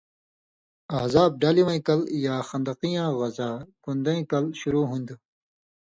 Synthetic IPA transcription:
ɐhzaːb̚ɖaːliwɐ̃ĩkɐljaːxɐnd̪ɐqijãːɣɐzaːkũnd̪ɐ̃ĩkɐlɕuɾuːɦũnd̪u

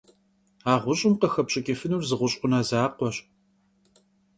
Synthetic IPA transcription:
aːʁʷʊɕʼɪmqəxɐpɕʼɪkʲʼefɨnuːrzɨʁʷʊɕʼqʷʊnaːzaːqʷɔɕ

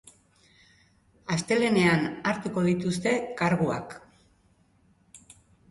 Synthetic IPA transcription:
ast̪e̞le̞ne̞anaɾt̪uko̞ð̞it̪ust̪e̞kaɾɣua̰k

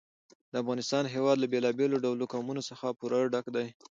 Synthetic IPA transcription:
d̪əafɣɑnɪst̪ɑnɦewɑd̪labelɑbeloɖawlokɑmunosəxapuɾɑɖakd̪aj

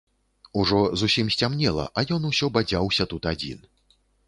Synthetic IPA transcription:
uʐɔzusʲimsʲt͡sʲamnʲɛlˠɐ̰ʔajɔnusʲɔbad͡zʲawsʲɐt̪ut̪ad͡zʲḭn

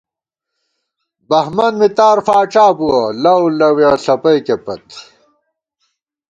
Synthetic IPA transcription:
bɐhmɐnmit̪aːɾfaːʈ͡ʂaːbuwɐlɐwlɐwjɐɬɐpɐjkepɐt̪

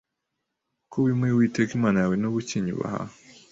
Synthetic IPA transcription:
kʰoβimewitekimanaawenoβuciɲṵβa̰ha̰

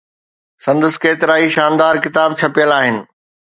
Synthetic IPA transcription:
sɐ̃nd̪əskeːt̪ɪɾaːiʃaːnd̪aːɾkɪt̪aːb̚t͡ɕʰɐpijəlaːɦɪnɪ̆

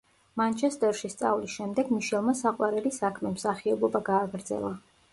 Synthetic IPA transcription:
mant͡ʃʰɛst̪ʼɛɾʃist̪sʼa̰vlisʃɛmd̪ɛɡmiʃɛlˠmasaqʼwaɾɛlisakʰmɛmsaχiɔbɔbaɡaːɡɾd̪zɛ̰lˠa

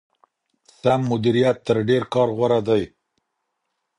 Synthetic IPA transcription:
samːʊd̪iɾijat̪ːəɾɖeɾkɑɾɣwaɾad̪aj

